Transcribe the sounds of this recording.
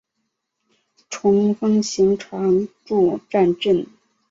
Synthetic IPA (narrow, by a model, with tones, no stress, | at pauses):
ʈ͡ʂʰʊ˧˥ŋfɤ˥ŋɕi˧˥ŋʈ͡ʂʰɑ˧˥ŋʈ͡ʂu˥˧ʈ͡ʂa˥˧nʈ͡ʂə˥˩n